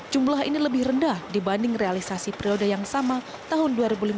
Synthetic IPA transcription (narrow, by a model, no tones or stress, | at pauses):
d͡ʒumlaɦḭniləbɪhrəndahdibandɪŋrealisasipɾiodajaŋsama | t̪aɦʊnduaɾibulim